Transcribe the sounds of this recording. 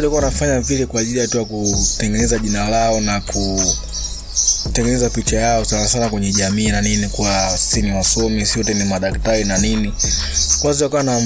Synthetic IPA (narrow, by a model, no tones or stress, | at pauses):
takuwanafaɲavilɛkwaːʄilijatujakutɛŋɡɛnɛzaʄinalaɔnakʰu | tɛŋɡɛnɛzapit͡ʃajaɔsanasanakwɛɲɛʄamiːnaninikuwasiniwasɔmisiɔtɛnimaɗaktaɾinanini | kwaziakuwana